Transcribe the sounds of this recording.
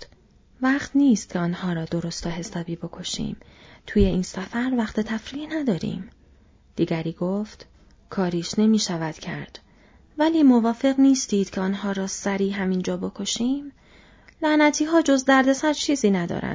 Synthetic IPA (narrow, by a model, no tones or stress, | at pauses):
væqt̪niːst̪cʰeɒːnhɒːɾɒːd̪o̞ɾost̪ʰɒːɦe̞sɒːbiːbo̞kʰo̞ʃḭːmt̪ʰuːje̞iːnsæfæɾvæχt̪ʰet̪ʰæfɾiːnæd̪ɒːɾḭːm | d̪̥iːɟæɾiːɡoːft̪ | kʰɒːɾiːʃne̞miːʃævæd̪̥cʰæɾd̪̥ | væliːmo̞vɒːfe̞ɣniːst̪iːd̪̥cʰeɒːnɦɒːɾɒːsæɾiːɦæmiːnd͡ʒɒːbo̞kʰo̞ʃiːm | læʔnæt̪ʰiːɦɒːd͡ʒo̞zd̪æɾd̪e̞sæɾt͡ʃʰiːziːnæd̪ɒ̰ːɾæ̰nd̪̥